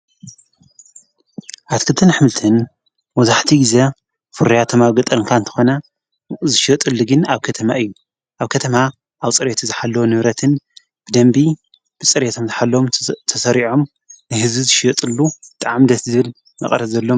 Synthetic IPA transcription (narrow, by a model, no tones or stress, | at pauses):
ʔat̪kʰɨlt̪ʰɨnħɨmɨlt̪ʰɨn | wɔzaħt̪ʰiɡize | fɨɾijat̪ʰomaβɡɐt̪ʼɐŋkʰaɨnt̪ʰɨ̥xo̞nɐ | zɨʃot̪ʼɨlːuɡɨnaβkʰɐt̪ʰɐmaɨjːu | ʔaβkʰɐt̪ʰɐma | ʔaβt͡sʼɨɾet̪ʰuzɨħalːɐwonɨβɾɐt̪ʰɨn | b̥ɨd̪ɐmbi | b̥ɨt͡sʼɨɾet̪ʰomzɨħalːomt̪ʰɐsɐɾiʕo̞m | nɨɦɨzbizɨʃt̪ʼɨlːut̪ʼaʕmd̪ɐt̪zɨβɨl | mɐ̰χʼɐɾɐzɐlːo̞